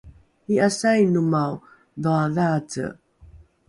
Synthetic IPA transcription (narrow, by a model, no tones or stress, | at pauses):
iasajnumaw | ðɔaðat͡sə̰